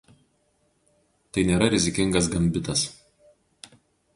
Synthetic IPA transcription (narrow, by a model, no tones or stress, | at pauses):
t̪ɐɪnʲeːɾɐɾʲɪzʲɪkʲɪŋɡɐsɡɐmʲbʲɪt̪ɐs